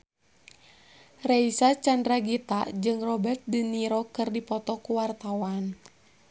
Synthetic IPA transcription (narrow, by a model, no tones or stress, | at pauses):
reisat͡ʃandɾaɡit̪ad͡ʒɨŋrɔbɛrt̪̚diniɾɔkɨrdipɔt̪ɔkuwart̪awan